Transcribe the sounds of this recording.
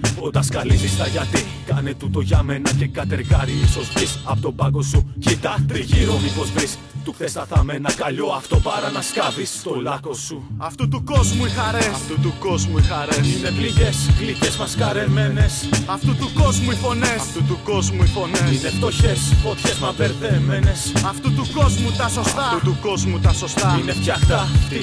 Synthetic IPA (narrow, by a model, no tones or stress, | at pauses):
ot̪ɐskɐlisist̪ɐʝɐt̪i | kɐne̞t̪ut̪o̞ʝɐme̞nɐce̞kɐt̪e̞ɾɣɐɾimiso̞zbisɐpot̪o̞bɐko̞sucit̪ɐt̪iʝiɾomipo̞zvɾis | t̪uθest̪ɐθɐme̞nɐkɐʎo̞ɐft̪o̞pɐɾɐnɐskɐvist̪oolɐkosuɐft̪ut̪uko̞zmuixɐɾeɐft̪ut̪uko̞zmuixɐɾesinebliʝeslicezmɐskɐɾemenesɐft̪ut̪uko̞zmuifo̞neɐft̪ut̪uko̞zmuifo̞nesineft̪oçesot̪çezmɐpeɾðemenesɐft̪ut̪uko̞zmut̪ɐsost̪ɐut̪uko̞zmut̪ɐsost̪ɐineft̪çɐxt̪ɐ